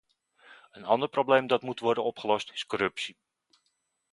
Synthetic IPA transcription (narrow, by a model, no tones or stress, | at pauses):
ənɑndəɹprowblejmdɑtmutʋɔɹdənɔpχəlɔstɪ̥skɔɾɵpsi